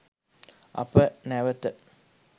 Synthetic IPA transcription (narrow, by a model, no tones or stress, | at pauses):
ɐ̰pənæʋət̪ə